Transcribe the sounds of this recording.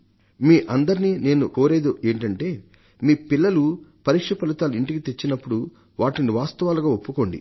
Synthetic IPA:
miːʔɐnd̪ɐɾiniːne̞ːnuʔo̞ːɾe̞ːd̪uʔe̞ːɳʈɐɳʈe̞ː | miːpilːɐlupɐɾiːkʂɐpɐlut̪aːluiɳʈikit̪e̞t͡ʃːinɐpːuɽu | ʋaːʈiniʋaːst̪ɐʋaːluɡaːopːuko̞ɳɖḭ

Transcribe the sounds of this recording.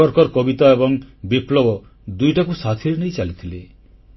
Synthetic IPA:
ɔɾkɔɾkɔbit̪aebɔŋbiplɔbɔ | d̪ujʈakusat̪ʰiɾenejt͡ʃalit̪ʰile

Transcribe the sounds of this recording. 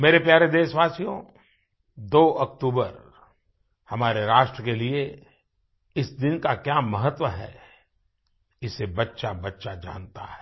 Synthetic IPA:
meːɾepjaːɾed̪eːʃʋaːsijõ | d̪oːʔɐkt̪uːbəɾ | hɐmaːɾeɾaːʃʈɾəkelie | ɪsd̪ɪnkakjaːmɐɦət̪wəɦɛ̰ː | ɪsebɐtːʃabɐtːʃad͡ʒã̰ːnt̪a̰ɦɛː

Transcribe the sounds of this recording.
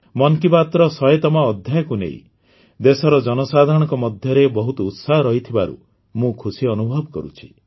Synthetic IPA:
mɔŋkipat̪ɾɔsɔjet̪ɔmaɔd̪ʱjajɔkunḛḭ̃ | d̪esɔɾɔd͡ʒɔnɔsad̪ʱaɾɔɽ̃ɔŋkɔmɔd̪ʱjɔɾebɔɦut̪ɔut̪saɦɔɾɔɦit̪ʰibaɾṵ | mũkʰusiɔnubʱɔbɔkɔ̰ɾṵt͡ʃʰi̥

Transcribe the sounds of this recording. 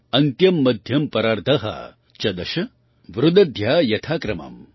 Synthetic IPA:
ɐnt̪jɐmːɐd̪ʱjɐmpɐɾaːɾt̪ʰɐɦɐ̰ | t͡ʃɐd̪ɐʃɐ | ʋɾud̪ɐd̪ʱjaːjɐt̪ʰaːkɾɐma̰m

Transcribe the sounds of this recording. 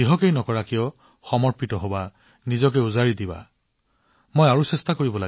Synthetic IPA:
iɦɔkejnɔkɔɹakijɔ | xɔmɔɹpitɔɦoba | nizɔk̬ɛuzaɹid̪iba̰ | mojaɹusestakoɹibɔla

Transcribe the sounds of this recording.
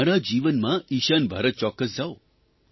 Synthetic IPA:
aɾad͡ʒiʋənmãiʃanbʱə̰ɾət̪̚t͡ʃɔkːəs̬d͡ʒao

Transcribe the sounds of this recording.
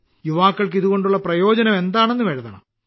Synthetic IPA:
juʋaːkːɐɭk̬iðuɣo̞ɳɖuɭːɐprɐjo̞ːd͡ʑɐnɐme̞nd̪aːɳe̞nːuʋeːɻɐðɐɳɐ̰m

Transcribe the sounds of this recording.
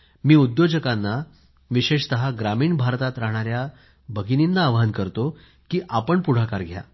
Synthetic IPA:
miːud̪jod͡ʑəkanːa | ʋiɕeɕt̪əɦaɡɾamiːɳbʱaɾt̪at̪ɾaɦɳ̃aɾja | bəɡininːaːʋɦənkəɾt̪o | kiːʔapəɳpuɽ̤akaɾɡʱja̰

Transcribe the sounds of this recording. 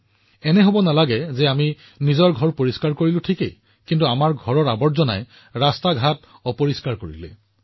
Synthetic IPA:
ɛnɛɦobɔnalaɡɛzɛami | nizɔɹɡʱɔɹpoɹiskaɹkoɹilʊ̃tʰikḛ | kintuamaɹɡʱɔɹɔɹabɔɹzɔna̰j | ɹastaɡʱat | ɔpoɹiskaɹkoɹḭlɛ̰

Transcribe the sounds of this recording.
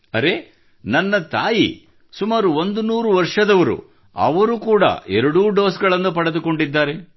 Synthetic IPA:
ɐɾe̞ | nɐnːɐt̪aːjḭ | sumaːɾuond̪unuːɾuʋɐɾʂɐd̪ɐʋɐɾṵ | ɐ̰ʋɐɾukuːɽɐ̰ʔɛɾɐɽuːɖo̞ːsɡɐɭɐnːupɐɽɐd̪uko̞ɳɖid̪ːaːɾe̞

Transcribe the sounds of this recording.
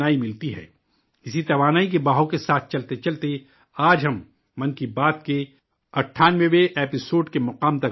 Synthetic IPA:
aːimɪlt̪iɦɛ̰ː | ɪsit̪ɐʋaːnaːik̬ebaːɦõkesaːt̪ʰt͡ʃɐlt̪et͡ʃɐlt̪e | aːd͡ʒɦɐmː | ɐ̃nkibaːt̪ke | ɐʈʰːaːnʋeʋeʔɛːpɪsoːɾɖkemɐqaːmt̪ɐ

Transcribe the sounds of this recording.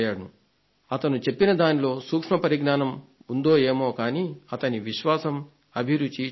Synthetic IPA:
jaːɽu | ɐt̪ɐnut͡ʃe̞pːinɐd̪aːnilo̞ːsuːkʂmɐpɐɾiɡnaːnɐmund̪o̞ːeːmo̞ːkaːniːɐt̪ɐniʋiʃʋaːsɐm | ɐbʱiɾud͡ʒi

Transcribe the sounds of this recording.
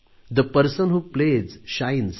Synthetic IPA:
d̪əpəɾsə̃nɦuplezʃajnz

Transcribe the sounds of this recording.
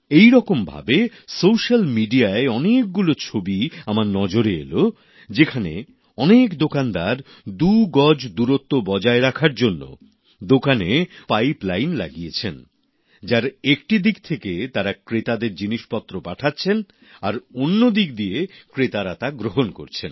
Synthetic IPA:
ejɾɔkombʱa̰be | sowʃalmiɖiaeɔnek̚ɡulot͡ɕʰobiamaɾnɔd͡ʑoɾeḛlo | d͡ʑekʰanḛ | ɔnekd̪okand̪aɾ | d̪uɡɔd͡ʑd̪uɾot̪ːobɔd͡ʑaeɾakʰaɾd͡ʑonːo̰ | d̪okanepajplajnla̰ɡijet͡ɕʰen | d͡ʑaɾekʈid̪ik̚t̪ʰeket̪aɾakɾet̪ad̪eɾd͡ʑiniʃpɔt̪ːɾopaʈʰatːɕʰen | aɾonːod̪ikd̪iekɾet̪aɾat̪aɡɾoɦonko̰ɾt͡ɕʰen

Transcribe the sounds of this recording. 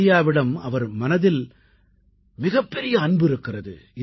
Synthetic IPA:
ɪjaːʋɪɽɐmɐʋɐɾmɐnɐðɪl | mɪɣɐpːɛɾɪjɐːɳbɪɾɯkːɪrɐðɯ̰ɪ

